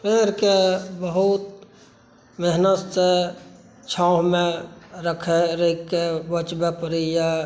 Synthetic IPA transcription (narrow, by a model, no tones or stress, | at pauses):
peːɾkebəɦut̪ | meɦnət̪se | t͡ʃʰãʊɦmẽɾəkʰeɾəikebət͡ʃbepəɾija